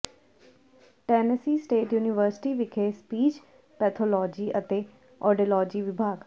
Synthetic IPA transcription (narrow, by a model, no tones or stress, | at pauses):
ʈɛːnəsiːsʈeːʈjuːnɪʋəɾsɪ̥ʈiːʋɪkʰeːspiːt͡ʃ | pɛːt̪ʰoːlɔːd͡ʒiːʔət̪eː | ɔːɖilɔːd͡ʒiːʋɪbʱaːɡ